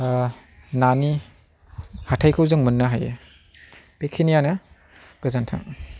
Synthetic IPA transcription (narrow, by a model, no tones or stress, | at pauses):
nani | hatʰajkʰɯwzɯŋmɯnːaɦajɯ | pekʰinijanɯ | b̥ɯzantʰa̰